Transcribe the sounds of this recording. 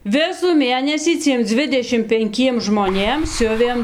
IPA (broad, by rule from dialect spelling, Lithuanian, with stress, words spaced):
ˈʋʲɪsuː ˈmʲeːnʲɛsʲiː ˈt͡sʲiɛm ˈd͡zʲʋʲɪdʲɛʃʲɪm pʲɛŋʲˈkʲiɛm ʒmoːˈnʲeːm ˈsʲʊʋʲeːm